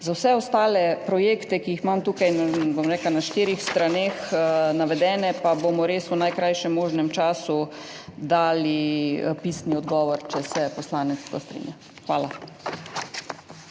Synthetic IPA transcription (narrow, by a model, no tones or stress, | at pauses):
zawsɛɔst̪aːlɛpɾɔjeːkt̪ɛkiixmamt̪uːkajnbomɾɛːklanaʃt̪iːɾixst̪ɾanexnaʋɛd̪ɛːnɛpabomɔɾeːsunajkɾajʃɛmːoːʒnɛmt͡ʃaːsu | d̪aːlipiːsniɔd̪ɡɔːʋɔɾt͡ʃɛsɛpɔslaːnɛt̪sp̪ɔ̰st̪ɾḭnja | xʋaːla